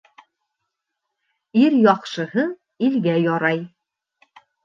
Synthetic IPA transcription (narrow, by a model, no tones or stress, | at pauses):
iɾjɒqʃɤ̆hɤ | ilɡæjɒɾɑj